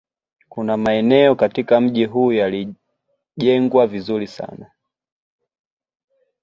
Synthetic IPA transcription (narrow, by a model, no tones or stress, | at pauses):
kunamaɛnɛɔkatikam̩ʄiɦuːjali | ʄɛŋɡwavizulisa̰na